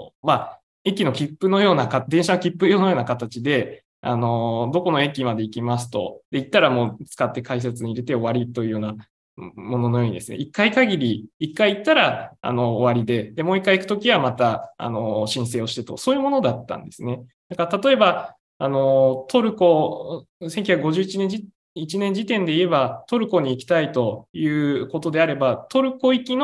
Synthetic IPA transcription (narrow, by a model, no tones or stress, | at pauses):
ma | e̞kʲino̞kʲipːɯ̟no̞jo̞ːnakad̪ẽɕano̞kʲipːɯ̟jo̞ːnojo̞ːnakat̪at͡ɕid̪e̞ | a̰no̞d̪o̞ko̞no̞e̞kʲimad̪e̞ikʲimas̬ɨ̥t̪o̞̰d̪̥e̞it̪ːaɾamo̞ːt͡sɨ̥kat̪ːe̞kais̬et͡sɨɲ̟iɾe̞t̪e̞o̞βaɾʲit̪ːo̞jiɯ̟ːjo̞ːna | mo̞no̞no̞jo̞ːɲ̟id̪e̞sɨnḛʔikːaikaɡʲiɾʲiːkːaiit̪ːaɾaa̰no̞ːβaɾʲid̪e̞d̪e̞mo̞ːikːaikɯ̟t̪okʲiβamat̪aa̰no̞ɕĩɰ̃s̬e̞ːo̞ɕi̥t̪e̞t̪o̞̰so̞ːjɯ̟mo̞no̞d̪at̪ːã̰nd̪e̞sɨne̞d̪̥akaɾat̪at̪o̞e̞ba | ano̞t̪o̞ɾɯ̟ko̞ | sẽŋkʲj̟çakɯɡo̞ʑɨːit͡ɕinẽ̞ɲi | it͡ɕinẽ̞ɲ̟d͡ʑit̪ẽ̞nd̪e̞ie̞bat̪o̞ɾɯ̟ko̞ɲ̟iːkʲi̥t̪ait̪o̞jɯ̟ːko̞t̪o̞d̪e̞aɾe̞bat̪o̞ɾɯ̟ko̞ikʲin